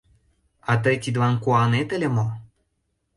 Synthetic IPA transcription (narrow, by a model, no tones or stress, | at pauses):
ɑt̪̬ət̪ʲid̪vɑnkuɑnet̪ə̆lʲĕmo